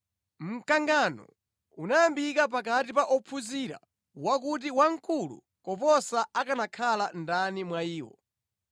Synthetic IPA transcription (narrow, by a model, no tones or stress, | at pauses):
m̩kaŋɡanɔ̰ | unajambikapakatipaʔɔpʰuziɾa̰ | wak̬ut̬iwaŋ̩kʰulṵ | kɔpɔsaakanakʰalandanimwaiːwɔ̰